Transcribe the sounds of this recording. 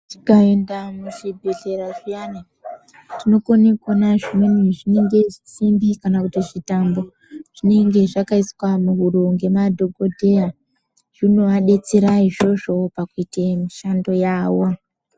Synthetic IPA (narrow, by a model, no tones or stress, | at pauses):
ti̥kaendamuʐibʱe̞ɮe̞ɾaʐijana | tino̞konekonaʐimweniʐine̞ŋɡe̞ʐisimbikanakutiʐitambo̞ | ʐ̥ine̞ŋɡe̞ʐakaiswamuɦuɾuŋɡe̞madʱo̞ɡo̞dʱe̞ja | ʐ̥inoʋaɗe̞t͡siɾaiʐo̞ʐo̞pakuitemiʃando̞jaːwo